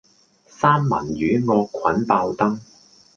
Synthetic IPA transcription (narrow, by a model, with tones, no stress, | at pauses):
saː˥mːɐ̰˨˩njyː˨˥ŋɔː˧kʷʰːɐ˨˥npaː˧wt̪ɐ˥ŋ